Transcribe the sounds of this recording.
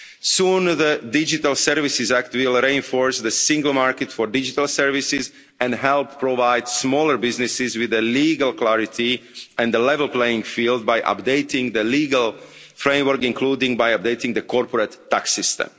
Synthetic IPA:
sũːnðədɪd͡ʒit̪alsɛɾvɪsɪzækt̪wɪlˠɾiɪ̃nfɔɹsðəsĩŋɡəl̩maːɹkɛt̪fɔɹdɪd͡ʒit̪alˠsɛɹvɪsɪz | ɛ̃ndɦɛlppːɹoʋaɪd̪smɔːləɹbɪznɪsɪzwɪðəliːɡəlˠklaɹɪt̪ʰiɛ̃nd̪d̪əlɛvɛlˠpleɪɪ̃ŋfiːlˠd̪̚bajʔa̰pd̪eɪt̪ɪ̃ŋðəliːɡəl | fɾẽɪ̃mwəɾkĩnkluːdɪ̃ŋbajap̚d̪eɪt̪ĩŋd̪əkʰɔɹpɔɾət̪ːaksɪst̪ɛ̰̃m

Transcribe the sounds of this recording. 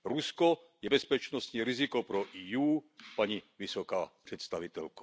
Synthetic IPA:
ɾuskɔ | jɛbɛspɛt͡ʃnɔst̪ɲiɾizikɔpɾɔʔijuːpaɲiʋisɔkaːpr̥ɛt̪st̪aʋit̪ɛlkɔ̥

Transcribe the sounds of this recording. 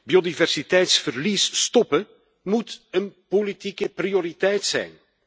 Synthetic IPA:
biodivɛrsitɛjtsfərlisstɔpə | mutənpolitikəprijoɾitɛjtsɛ̰jn

